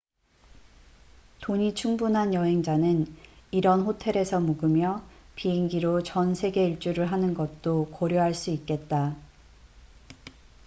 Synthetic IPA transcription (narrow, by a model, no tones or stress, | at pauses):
toɲit͡ɕʰuŋbunɦanjʌɦe̞ŋd͡ʑanɯniɾʌnɸotʰe̞ɾe̞sʰʌmuɡɯmjʌpiɦeŋɡiɾot͡ɕʌnsʰe̞ɡe̞iɭt͡ɕ͈uɾɯɭɦanɯnɡʌt̚t͈okʌɾjʌɦaɭs͈uik͈e̞t̚t͈a